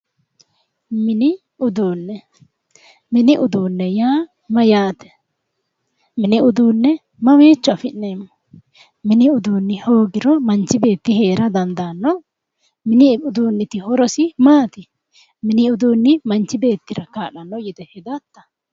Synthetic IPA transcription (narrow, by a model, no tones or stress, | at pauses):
mɪnɪ | ʊd̪uːnːɛ | mɪnɪʔʊd̪uːnːɛjaː | mɐjaːt̪ɛ̥ | mɪnɪʊd̪uːnːɛ | mɐmeːt͡ʃːɔɐfɪnːe̞ːmːɔ | mɪnɪʊd̪uːnːɪho̞ːɡɪɾɔmɐnt͡ʃːɪbe̞ːt̪ːɪhe̞ːɾɐd̪ɐnd̪anːɔ | mɪnɪʊd̪uːnːɪt̪ɪhɔɾɔsɪmaːt̪ɪ | mɪnɪʊd̪uːnːɪmɐnt͡ʃːɪbe̞ːt̪ːɪɾɐkaːᶑɐnːɔjɛd̪ɛhɛd̪ɐt̪ːɐ̥